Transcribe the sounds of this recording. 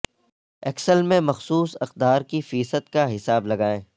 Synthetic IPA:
ɛksəlmẽmɐxsuːsɐxd̪aːɾkifiːsət̪kaɦɪsaːblɐɡaːẽː

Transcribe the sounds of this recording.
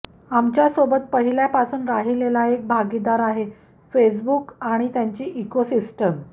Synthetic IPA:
amt͡ɕjasobət̪̚pəɦiljapasuːnɾaɦilelaek̚bʱaɡid̪aɾaɦe | fes̬bukaɽ̃it̪jaɲt͡ɕiːʔːkosisʈəm

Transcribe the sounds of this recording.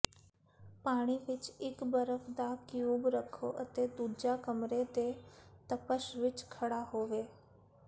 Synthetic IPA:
paːɽ̃iʋɪt͡ʃɪkbəɾəfd̪akijuːbɾəkʰoʔət̪ed̪uːd͡ʒakəmɾet̪et̪əpəʃʋɪt͡ʃkʰɐɽaɦoːʋeː

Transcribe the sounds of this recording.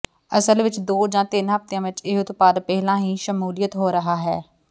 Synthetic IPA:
əsəlʋɪt͡ʃd̪oːd͡ʒãːt̪ɪnɦəft̪jãːʋɪt͡ʃɪɦʊt̪paːd̪pɛɦlãːɦiːʃəmuːlɪjət̪ɦoːɾəɦaːɦɛː

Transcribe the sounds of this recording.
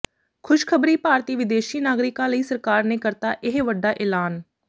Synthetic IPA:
kʰʊʃkʰəbɾiːpaːɾt̪iːʋɪd̪eːʃiːnaːɡɾɪkãːləiːsəɾkaːɾneːkəɾt̪aːʔɪɦʋəɖːaːʔeːlaːn

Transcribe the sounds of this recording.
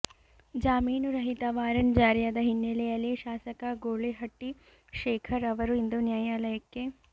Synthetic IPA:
d͡ʒaːmiːnuɾɐɦit̪ɐʋaːɾɐnd͡ʒaːɾjad̪ɐɦinːelejɐlːiʃaːsɐkɐɡoːɭeɦɐʈːi | ʃeːkʰɐɾɐʋɐɾuind̪unjaːjaːlɐjɐkːe

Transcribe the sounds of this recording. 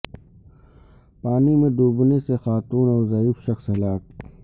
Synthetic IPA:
paːnimẽd̪uːbnesexaːt̪uːnɔːɾzaiːfʃɐxshɐlaːk̚

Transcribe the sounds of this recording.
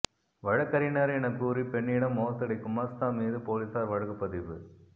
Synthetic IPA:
ʋɐɻɐkːɐɾɪnɐɾɛnɐkːuːɾipɛɳːɪːɽɐmːoːsɐɽɐɪkːʊmast̪aːmiːðɯpoːlisaːɾʋɐɻɐɣɯpːɐðɪʋɯ

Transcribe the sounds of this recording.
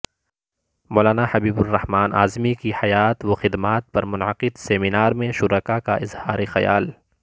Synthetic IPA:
moːlaːnahɐbiːbʊrːɐhmaːnʔaːzmikiħɐjaːt̪woxɪd̪maːt̪̚pɐɾmʊnʕəqɪd̪seːminaːɾmẽʃʊɾəkakaʔɪzhaːɾexɐja̰ːl

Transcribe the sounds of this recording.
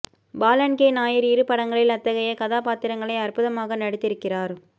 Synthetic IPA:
baːlɐnkeːnaːjɪɾɪɾɯpɐɽɐŋɡɐɭɪlɐt̪ːɐɣɐjɐkɐðaːpaːt̪ːɪɾɐŋɡɐɭɐɪɐrpʊðɐmaːɣɐnɐɽɯt̪ːɪɾɯkːɪraːɾ

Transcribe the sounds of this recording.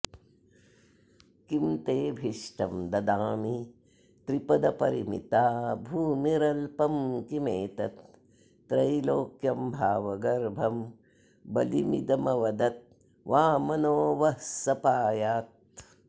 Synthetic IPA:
kimt̪eːbʱiʂʈɐmd̪ɐd̪aːmi | t̪ɾipɐd̪ɐpɐɾimḭt̪aːbʱuːmiɾɐlpɐmkimeːt̪ɐt̪ː | ɾɐjloːkjɐmbʱaːʋɐɡɐɾbʱɐm | bɐlimḭd̪ɐmɐʋɐd̪ɐt̪̚ | ʋaːmɐnoːʋɐhsɐpaːjaːt̪̚

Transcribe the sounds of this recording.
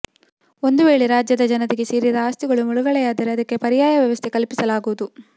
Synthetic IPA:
o̞nd̪uʋe̞ːɭeɾaːd͡ʒjɐd̪ɐd͡ʒɐnɐd̪iɡesiːɾid̪ɐaːst̪iɡɐɭumuɭuɡɐɭɛjaːd̪iɾeɐd̪ɐkːe̞pɐɾijaːjɐʋjɐʋɐst̪ʰekɐlpisɐlaːɡuʋud̪u

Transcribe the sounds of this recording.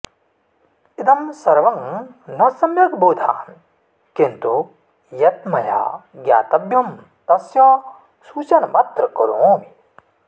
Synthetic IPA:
ɪd̪ɐmsɐɾʋɐŋnɐsɐmjɐkboːd̪ʱa̰ːn | kĩnt̪u | jɐt̪mɐja̰ːɡja̰ːt̪ɐbjɐm | t̪ɐsjɐ | suːt͡ʃɐnmɐt̪ɾɐkɐɾoːmi

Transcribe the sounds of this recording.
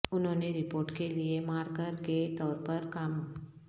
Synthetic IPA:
ʊnɦõːneɾɪpoːɾʈkeliemaːɾkəɾket̪ɔːɾpɐɾkɐm

